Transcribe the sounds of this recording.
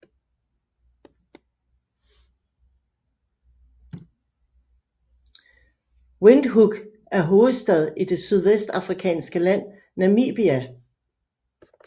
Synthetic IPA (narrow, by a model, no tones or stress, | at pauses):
wend̥ɦuɡ̥ | æɐɦoːð̩ˠsd̥ɛð̞ˠid̥e̝syð̞ˠʋesd̥ɑ̈fʁikʰɛ̰ːnsɡ̥əlæn̰ | næmḭːb̥iæ